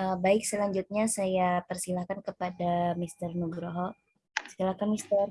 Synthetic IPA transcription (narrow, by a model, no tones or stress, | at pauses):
əbaɪk̚səlaɲd͡ʒut̪̚ɲasajapərsilahkankəpadamist̪ərnuɡɾoɦɔ | sə̥ilahkanmist̪ər